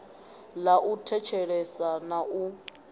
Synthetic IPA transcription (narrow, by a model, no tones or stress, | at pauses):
laʔutʰɛt͡ʃʰɛɺɛsanaʔu